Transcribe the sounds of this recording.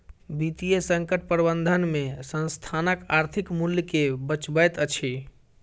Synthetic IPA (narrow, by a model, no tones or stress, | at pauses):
bit̪ijesə̃ŋkəʈ̚pɾbənd̪ʱənmesə̃nst̪ʰanəkaɾt̪ʰikmuljəkebət͡ʃbəjt̪ət͡ʃʰi